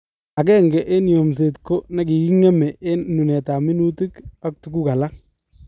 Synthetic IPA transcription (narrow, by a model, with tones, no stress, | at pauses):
a˨k̬ɛː˦ŋɡɛ˨ʔe˦n˨jo˨ms̬e˨tko˦na˦ki˨ki˦ŋɛ˦mɛ˨e˦nːu˨nɛ˨ta˨mi˦nu˦ti˦ka˦k̚tu˨ku˦ka˨la˦